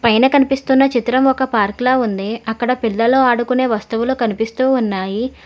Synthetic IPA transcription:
pɐjnɐkɐnipist̪unːɐt͡ʃit̪ɾɐmɔkɐpaːɾklaːund̪iɐkːɐɽɐpilːɐloːaːɽukune̞ːʋɐst̪uʋuloːkɐnipist̪uːunːaːji

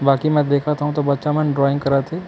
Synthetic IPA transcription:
baːkimɛ̃ːd̪eːkʰat̪aɦũt̪obɐtːʃamɛ̃nɖɾɔːɪ̃ŋɡkɐɾat̪ʰeː

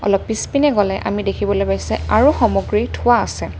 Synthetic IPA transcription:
ɔ̰lɔpːispinɛɡɔlɛʔa̰midekʰibɔlojpaisɛaɹuxɔmɔɡɹitʰʊwaːsɛ

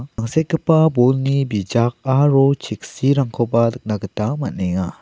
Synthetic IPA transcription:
aŋset̚kəpabɔlnibid͡ʒak̚aɾɔt͡ʃʰik̚siɾaŋkʰɔpadɯk̚naɡətamaneŋa

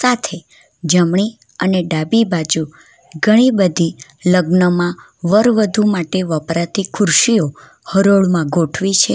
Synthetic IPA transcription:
sat̪ʰe | d͡ʒəmɳi | əneɖabibad͡ʒu | ɡʱəɽ̃ibəd̪ʱiləɡnəmã | ʋəɾʋəd̪ʱumaʈeʋəpɾat̪ikʰʊɾʃio | həɾoɭmãɡʱoʈʰʋit͡ʃʰe

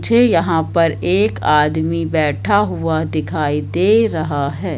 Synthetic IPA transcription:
d͡ʒʱejɐɦãpɐɾeːkaːd̪mibɛːʈʰaɦʊad̪ɪkʰaːid̪eːɾɐɦaɦɛː

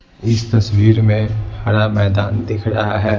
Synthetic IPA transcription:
ɪst̪ɐswiːɾmẽhaːɾamɛːd̪aːnd̪ɪkʰɾɐɦaɦɛː

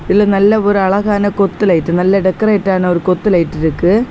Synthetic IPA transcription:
iðilɨnɐlːɐoɾuɐɭɐɣaːnɐkot̪ːilɐjiʈːɨnɐlːɐɖekːɐreːʈːaːɳɨo̞ɾukot̪ːilɐjiʈːiɾukːɨ

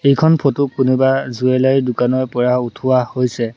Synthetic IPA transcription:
ejkʰɔnpʰotukunubazuɛlajdʊkanɔjpɔɹautʰuwahojsɛ

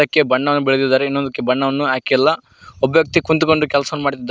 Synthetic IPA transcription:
ɐkːe̞bɐɳːɐʋɐnːubiɭd̪id̪aːɾeinːond̪ɐkːe̞bɐɳːɐʋɐnːuɦaːkiɛlːɐ | objɐk̚t̪ikunt̪uko̞ɳɖukɛlɐsɐʋɐnːumaːɽt̪id̪ː

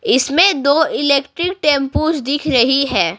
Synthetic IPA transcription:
ɪsmẽd̪oːɪleːkʈɾɪk̚ʈẽːmpuːd͡ʒd̪ɪkʰɾɐɦiɦɛ̃ː

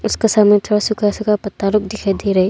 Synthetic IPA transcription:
ʊskesaːmet̪ʰoːɽasʊkʰasʊkapɐt̪ːaɾʊk̚d̪ɪkʰed̪iɾɐɦe

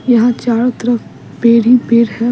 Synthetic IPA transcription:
jɐɦãt͡ʃaːɾot̪ɐɾək | peːɾipeːɾɦɛ

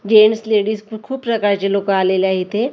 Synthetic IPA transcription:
d͡ʒeːnsleːɽispkʰuːbpɾɐkaːɾt͡ʃelõkaːlelaɦit̪ʰeː

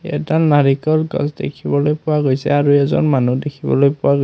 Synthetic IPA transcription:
ɛ̰tanaɹikɔlɡɔ̰sdḛkʰibɔlojpʊwaɡojsɛ̰aɹuɛzɔ̰nmanudekʰibɔ̰lojpʊwaɡo

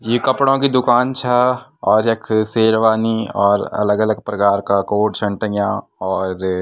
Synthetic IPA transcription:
jeːkɐpɽõkid̪ʊkaːnt͡ʃʰɛɔːɾekʰseːɾʋaːniɔːɾɐ̰ləɡələɡpɾɐkaːɾkakoːʈt͡ʃʰɐ̃ɳʈə̃jã | ɔːɾ

